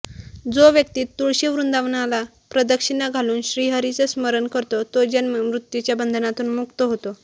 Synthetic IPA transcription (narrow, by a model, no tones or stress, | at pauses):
d͡zoʋjək̚t̪iːt̪ːuɭɕeʋɾund̪aʋnala | pɾəd̪əkʂinaɡʱaluːnɕɾiːɦəɾit͡səsməɾənkəɾt̪ot̪od͡ʑanmɾut̪jut͡ɕjabənd̪ʱənat̪uːnmukt̪əɦot̪o